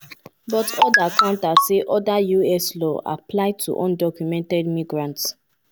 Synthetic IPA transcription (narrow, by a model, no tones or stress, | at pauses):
bɔtɔdakʰãʊ̃ntaseʔɔdajuɛslɔʔa̰plaɪtʰṵʔɔ̰̃ndɔkjumɛ̃ntɛdmiɡɹãnts